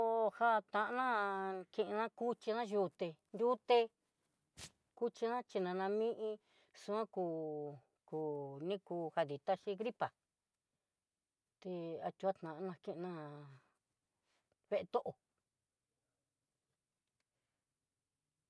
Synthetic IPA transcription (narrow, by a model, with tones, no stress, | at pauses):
o˧ha˦t̪ã˧ʔnã˦kĩ˧ʔnã˦ku˦t͡ʃi˧nã˦ju˧t̪e˧nd̪ʲu˦t̪e˧ | ku˦t͡ʃi˧nã˦t͡ʃi˧nã˧nã˧mĩ˦ʔĩ˧ | su˧ã˦kuː˧ | ku˧˨nĩ˦kuː˧ha˧ði˨t̪a˦ʃi˧ɣɾi˦pa˨ | t̪e˧a˧t͡ʃ̪u˧a˦t̪nã˨ʔnã˧kẽ˦ʔnã˦˧ | βe˦ʔe˧t̪o˦ʔo˨